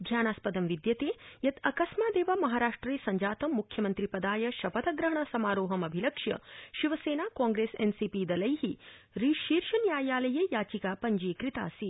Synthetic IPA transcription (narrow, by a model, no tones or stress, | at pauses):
d̪ʱjaːnaːspɐd̪ɐmʋid̪jɐt̪eːjɐt̪ɐkɐsmaːd̪eːʋaːmɐɦaːɾaːʂʈɾɐeːsɐɲd͡ʒaːt̪ɐmːukʰjɐmɐnt̪ɾipɐd̪aːjɐʃɐpɐt̪ʰɐɡɾɐɦɐɳ̃ɐsɐmaːɾoːɦɐmɐbʱilɐkʂjɐ̰ʃiʋɐseːnaːkãːŋɡɾeːsḛnsipiːd̪ɐlɐjɦi | ɾiːʃiːɾʃɐnjaːjaːlɐjɐjaːt͡ʃikaːpɐɲd͡ʒiːkɾit̪a̰ːsi